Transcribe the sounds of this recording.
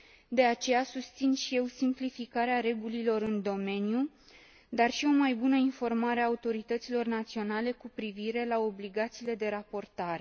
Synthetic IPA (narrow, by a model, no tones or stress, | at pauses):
d̪e̞at͡ʃe̞jasust̪sinʃije̞wsimplifikaɾeaɾe̞ɡulilo̞ɾɨnd̪o̞me̞nju | d̪arʃio̞majbunəinfo̞rmaɾeaut̪o̞ɾit̪ət̪silo̞rnat̪sio̞nale̞kupɾiviɾe̞lao̞bliɡat̪siːle̞d̪e̞ɾapo̞rt̪aɾe